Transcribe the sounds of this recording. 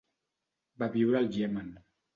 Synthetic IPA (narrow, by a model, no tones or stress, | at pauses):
baβiwɾalˠʒiɛman